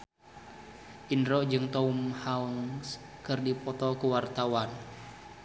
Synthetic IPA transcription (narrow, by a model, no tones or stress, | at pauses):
ʔinɾɔd͡ʒɨŋt̪ɔumhauŋskɨrdipɔt̪ɔkuwart̪awan